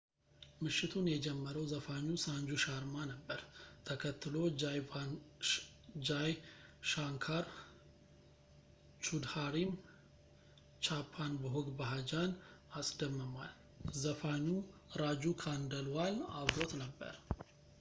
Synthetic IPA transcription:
mɨʃːɪt̪ʰunjɛd͡ʒɛmːəɾəwzəfaɲːusaɲd͡ʒuʃaɾmanəbːəɾt̪ʰəkʰət̪ːɨlo | d͡ʒajʃaŋkʰaɾ | t͡ʃʰud̪haɾim | t͡ʃʰapʰːanbəɦoɡbaɦad͡ʒanasʼd̪əmːəmal | zəfaɲːuɾad͡ʒukʰand̪əlwalaβɾot̪nəbːə̰ɾ

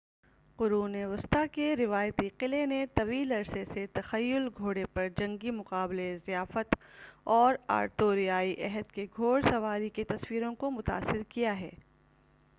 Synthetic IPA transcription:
qʊɾuːneʋʊst̪akeɾɪʋaːjt̪iqɪlenet̪ɐʋiːlɐɾseset̪ɐxɐjːʊlɡʱoːɽepɐɾd͡ʒɐ̃ŋɡimʊqaːblezijaːfət̪ɔːɾa̰ːɾt̪oːɾijaːiʔɛɦəd̪̚keɡʱoːɽsɐʋaːɾiket̪ɐswiːɾõkomʊt̪a̰ːsɪɾkijaɦɛː

